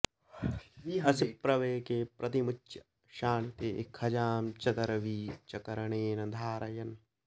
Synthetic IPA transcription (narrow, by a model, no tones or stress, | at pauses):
ɐsipːɾɐʋeːkeːpɾɐt̪imut͡ʃːʃɐ̥ | ʃaːnit̪eːekʰhɐd͡ʒaːmt͡ʃɐt̪ɐɾɐʋiːt͡ʃɐkɐɾɐɳeːnɐd̪ʱaːɾɐjɐn